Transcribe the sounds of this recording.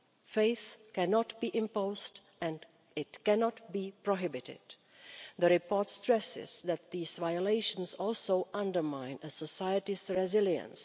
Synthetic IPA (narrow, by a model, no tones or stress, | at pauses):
feɪθkɛnɔtbiːʔɪ̃mpoʊzt | ɛ̃n | ɪtkɛnɔtbiːpɹoɦɪbɪtɪ̰d̥ | ðəɹɪpɔɹtstɹɛsɪ̰zðæt̪̚ðiːzvajəleɪʃə̃nsɔlˠsoʊʔʌ̃ndə˞mãɪ̃nəsəsajətɪzɹɛzɪljə̰̃ns